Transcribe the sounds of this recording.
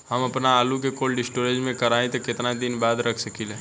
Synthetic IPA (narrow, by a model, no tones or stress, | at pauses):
ɦɐmɐpnaaːluk̬ekoːlɖɪsʈoːɾeːd͡ʒmẽkɐɾaːẽt̪okɪt̪nad̪ɪnbaːd̪ɾɐkʰsɐkiːleː